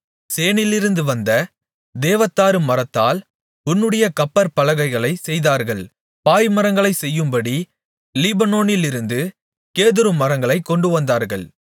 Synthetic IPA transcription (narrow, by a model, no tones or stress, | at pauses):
seːnɪlɪɾɯnd̪ɯʋɐnd̪ɐ | d̪eːʋɐt̪ːaːɾɯmɐɾɐt̪ːaːl | ʊnːɯɽɐjɐkɐpːɐɾpɐlɐɣɐɪɣɐɭɐɪsɛjðaːɾɣɐɭ | paːjmɐɾɐŋɡɐɭɐɪsɛjːɯmbɐɽi | lɪbɐnoːnɪlɪɾɯnd̪ɯ | keːðɯɾɯmɐɾɐŋɡɐɭɐɪkːɔɳɖɯʋɐnd̪aːɾɣɐ̰ɭ